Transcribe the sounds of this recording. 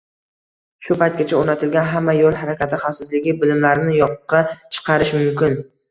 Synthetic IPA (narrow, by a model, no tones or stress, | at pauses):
ʃʊpajt̪̚ɡʲat͡ʃʰaoɾnat̪ʰɪlɡʲanɦamːajolˠɦaɾakʲat̪ʰɪχafsɪzlɪɡʲɪbɪlɪmlaɾɪnɪjɒqʰːɑt͡ʃʰɨ̥qʰɑɾɪʃmʊmkʲɪn